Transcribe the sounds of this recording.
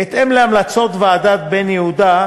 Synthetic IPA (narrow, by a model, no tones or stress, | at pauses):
et̪ʔemleamlat͡sot̪vead̪at̪̚benjehud̪a